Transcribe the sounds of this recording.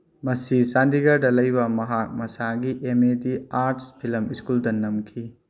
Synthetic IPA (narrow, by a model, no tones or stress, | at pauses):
mɐsisandiɡɐɾdɐlɐjbɐmɐɦak̚mɐsaɡiʔemetiaɾtspʰilɐmiskuldɐnɐmkʰi